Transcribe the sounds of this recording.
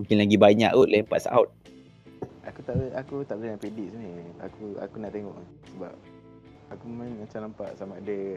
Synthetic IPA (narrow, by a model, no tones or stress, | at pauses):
ũŋkɪnlaɡibaɲa̰ʔoʔ̪̚laəmpa̰t̪̚sa̰ut̪̚ | akut̪aʔakut̪aʔblənaʔpɾediʔsənəa̰kua̰kunaʔt̪eŋɔʔ | səba̰p̚ | akumanmat͡ʃamlampaʔsamaadə